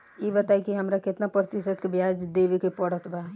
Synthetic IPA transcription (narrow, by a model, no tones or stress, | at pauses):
jebət̪aikiɦəmɾakɪt̪napɾət̪isəd̪̚kebjad͡ʒd̪ebekepəɽət̪ba